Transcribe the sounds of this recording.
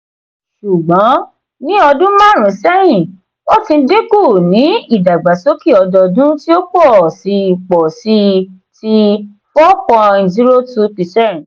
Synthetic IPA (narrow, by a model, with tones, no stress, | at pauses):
ʃu˨ɡ͡bɔ̃˨˦ | nĩ˦ɔ˧dũ˦mã˦˨ɾ̃ũ˨˦sɛ˦jĩ˦˨ | wɔ˦tĩ˧˦de˦ku˦˨nĩ˨˦i˦˨da˨ɡ͡ba˨so˦ki˦˨ɔ˧dɔ˧dũ˦ti˦o˦k͡pɔ˦˨si˧˨k͡pɔ˨si˧ | ti˧ | fɔ˦pɔ̃˧zi˦ɾo˦tu˦pi˧sɛ˦˨